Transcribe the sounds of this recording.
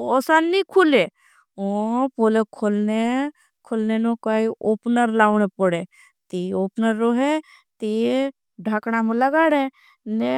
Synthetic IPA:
oːsanːikʰule | opolekʰolne | kʰolnenõkaːiʔoːpnəɾlaːʋnepəɽe | t̪ioːpnəɾːoɦe | t̪i | ɖʱaːknamulaɡaːɽẽ | ne

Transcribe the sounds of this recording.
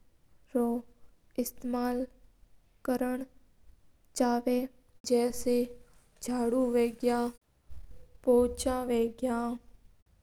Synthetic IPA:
ɾoː | ɪst̪eːmaːl | kəɾəɳ̃ | t͡ʃaːʋeː | d͡ʒɛːse | d͡ʒʱaːɽuʋeːɡja | poːt͡ʃãʋeːɡjãː

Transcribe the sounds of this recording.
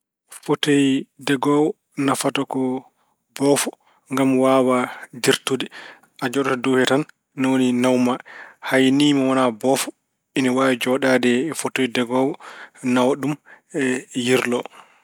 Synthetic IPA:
fotojdɛɡɔwɔ | nafatɔkɔ | bɔfɔ | ŋɡamwawadiɾtudi | ʔad͡ʒɔɗatɔduhɛtanː | awoninawmahajniːmawɔnabɔfɔ | inawawd͡ʒɔɗadɛfotojdɛɡɔːwɔnawaɗum | ɛjiɾlɔ

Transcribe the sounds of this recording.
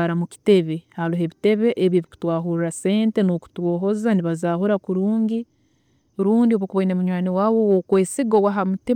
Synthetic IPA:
aɾamuki̥te̞βehaluɦe̞βite̞βe̞ʔːβjeβiku̥twaːɦuɾɾase̞ːnte̞noku̥twoːɦo̞zaniβazaːɦoɾakuɾuːɲɟi | ɾuːndioβokuβoinemuɲwaːniwaːβowokweːsiɡowaɦamuti

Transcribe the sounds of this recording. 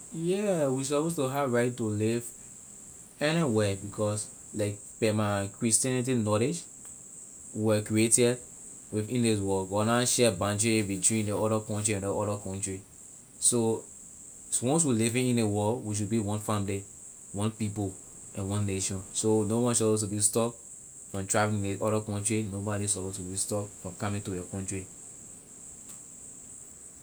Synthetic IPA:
jɛwisɔpostuɦavɹaɪtːuliv | ɛniwɛbikʰɔs | laɪk̚ | pɛmakɹistiɛnit̬inɔled͡ʒ | wɛkɹieti | wivĩndis̬wɔɡɔnaʃɛbãntɹibitwĩndeɔɾakɔ̃ntɹiɛ̃ndeɔɾakʰɔ̃ntɹi | so | swɔ̃ns̬wilivĩŋĩnewɔlwiʃ̬ud̚biwɔ̃nfãmli | wɔ̃npip̬o | ɛ̃nwɔ̃nːeʃɔ̃nsonobɔnis̬ɔpostubistɔp | fɹɔ̃mtɹavĩĩneʔɔɾakɔ̃ntɹinobɔɾisɔpostubistɔpfɹɔ̃mkɔmĩŋtujɛkɔ̃ntɹi

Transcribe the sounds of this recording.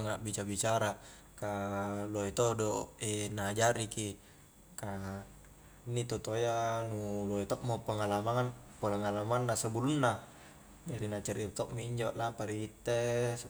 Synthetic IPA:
ŋaʔbit͡ʃabit͡ʃaɾa | kaloet̪odoenad͡ʒaɾiki | ka | nːit̪ot̪ojanuloet̪ɔʔmopəŋalamaŋan | pəŋalamanːasəbulunːa | daɾinat͡ʃaɾirt̪ɔʔmiiɲd͡ʒoʔlapaɾiit̪ːe

